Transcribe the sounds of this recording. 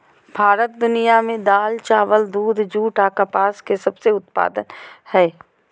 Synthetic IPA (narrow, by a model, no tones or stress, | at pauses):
bʱaːɾət̪̚d̪ʊnijamẽd̪aːlt͡ʃaːʋəld̪uːd̪ʱd͡ʒuːʈaːkapaːskesɐbseʊt̪pa̰ːd̪ə̰nhɛː